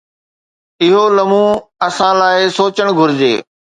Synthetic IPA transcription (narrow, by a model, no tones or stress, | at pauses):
ɪɦolɐmũɐsãlaːɪsoːt͡ɕəɽ̃ɡʱʊɾɪd͡ʑeː